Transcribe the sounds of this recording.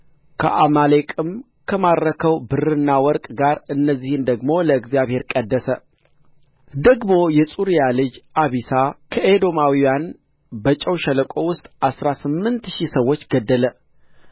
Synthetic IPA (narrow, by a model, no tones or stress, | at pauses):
kʰə̰ʔamalekʼɨm | kʰəmaɾəkʰəwbɨrɨnːawɔɾkʼɡaɾɨnːəzːihɨnd̪əɡmo̞ləɨɡzjaβhe̞ɾkʼəd̪ːəsə | d̪əɡmo̞jɛsʼuɾijalɨd͡ʒʔaβisakʰəed̪o̞mawijan | bət͡ʃʼɛwʃɛləkʼo̞wʊst̪ʼʔasɾasɨmːɨnt̪ʃisəwːo̞t͡ʃːɡəd̪ːələ